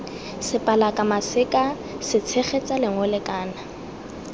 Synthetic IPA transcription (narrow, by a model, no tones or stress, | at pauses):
sɪpʼalakʼamasɪkʼa | sɪt͡sʰeχet͡sʼalɪŋʊlɪkʼaːna